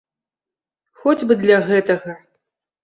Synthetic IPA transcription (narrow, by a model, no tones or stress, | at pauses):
xɔd͡zʲbɨd̪lʲaɣɛt̪ɐɣɐ